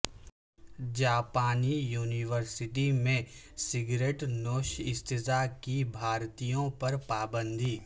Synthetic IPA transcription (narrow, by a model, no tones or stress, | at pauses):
d͡ʒaːpaːnijuːniʋəɾsɪʈimẽ | sɪɡɾeːʈnoːʃɪst̪ɪzakibʱaːɾt̪ijõpɐɾpaːbə̃nd̪ʱiː